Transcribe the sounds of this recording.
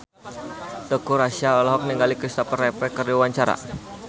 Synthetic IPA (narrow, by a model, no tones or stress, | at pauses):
t̪əkuɾasiaɔlaɦɔk̚niŋɡalikɾist̪ɔpərɛpɛkərdiwaɲt͡ʃaɾa̰